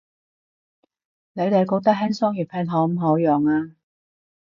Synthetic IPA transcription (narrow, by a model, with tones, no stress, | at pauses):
ne˨˧jt̪e˨jkoː˨˥k̚t̪ɐ˥k̚ɦɛː˥nsɔː˥ŋjyː˨˩pʰɛː˧˥nɦɔː˨˥m̩˨˧ɦoː˨˥wjœː˨ŋaː˧